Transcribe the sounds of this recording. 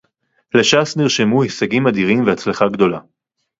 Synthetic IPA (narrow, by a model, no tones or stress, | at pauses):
leʃasniʁʃemuhisaɡimad̪iʁimvehat͡slaχaɡd̪o̞la